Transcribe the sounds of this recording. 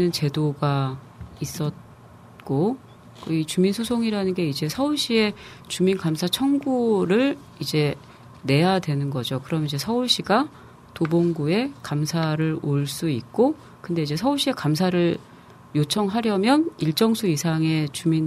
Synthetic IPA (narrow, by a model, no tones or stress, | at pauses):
ɯnt͡ɕe̞doɡa | is͈ʌt̚ | k͈o | kit͡ɕuminsʰusʰoŋiɾanɯnɡe̞id͡ʑe̞sʰʌuɭɕ͈ie̞ | t͡ɕuminkamsʰat͡ɕʰʌŋɡuɾɯɭ | id͡ʑe̞ | ne̞jadwe̞nɯnɡʌd͡ʑokɯɾʌmnid͡ʑe̞sʰʌuɭɕ͈iɡa | toboŋɡue̞kamsʰaɾɯɾoɭs͈uik̚k͈o | kɯnde̞id͡ʑe̞sʰʌuɭɕ͈ie̞kams̬ʰaɾɯɭ | jot͡ɕʰʌŋɦaɾjʌmjʌniɭt͡ɕ͈ʌŋsʰuisʰaŋe̞t͡ɕumin